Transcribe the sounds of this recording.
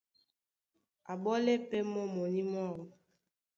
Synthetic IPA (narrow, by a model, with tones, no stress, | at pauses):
a˨bɔ˦lɛ˦pɛ˦mɔ˦mɔ˨ni˦m˦a˦˨wɔ˦